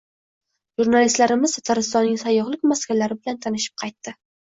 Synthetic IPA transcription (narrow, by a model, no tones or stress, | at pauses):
ʒuɾnalist̪laɾɪmɪz̥t̪ʰat̪ʰaɾɪst̪ɒnːɪŋsajɒʁlˠɪkʲmaskʲalaɾɪbɪlant̪ʰanɪʃɪ̥p̚qʰɑjt̪ːɪ